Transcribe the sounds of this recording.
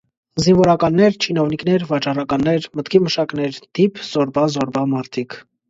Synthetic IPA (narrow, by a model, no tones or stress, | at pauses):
zinvɔɾɑkɑnːɛɾt͡ʃʰinɔniknɛɾvɑt͡ʃɑrɑkɑnːɛɾmət̪kʰiməʃɑknɛɾd̪̥ipʰz̥ɔɾbɑzɔɾbɑmɑɾt̪ʰikʰ